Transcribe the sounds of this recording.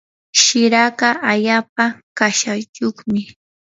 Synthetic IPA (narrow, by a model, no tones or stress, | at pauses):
ʃɪɾaɢaʔaʎaːp̚akaʃat͡ʃoχmɪ